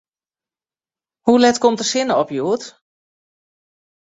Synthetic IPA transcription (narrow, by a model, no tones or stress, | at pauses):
hulɛtkɔmtəsɪnəɔpjuət